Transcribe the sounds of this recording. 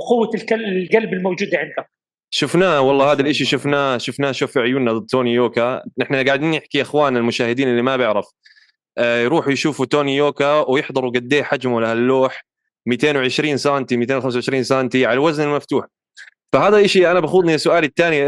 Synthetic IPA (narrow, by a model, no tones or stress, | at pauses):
qʊwːalkallɡalbɪlmawd͡ʒuːd̪ʕɪnd̪ʊk | ʃʊfnaːwɑlˤːɑːhaːd̪alʔɪʃiʃʊfnaːʃʊfnaːʃoːfiʕʊjuːnːad̪ɨd̪̚t̪oːnijoːkaʔɪħnaɡaʕɪd̪iːnjɪħkiʔaxwaːnɪlmʊʃaːhɪd̪iːnɪlːimabɪʕɾɑf | ʔjɾuːħjʃuːfut̪oːnijoːkawjɪħd̪ˤɨɾˤwɡad̪ːeːħad͡ʒmʊlahalːoːħ | mit̪eːnwʕɪʃɾiːnsaːnt̪imit̪eːnwxamsawʕɪʃɾiːnsaːnt̪iʕalalwaznɪlmaft̪uːħ | fahaːd̪alʔaʃiʔanabaxuːd̪ˤniasːʊʔaːlɪt̪ːaːni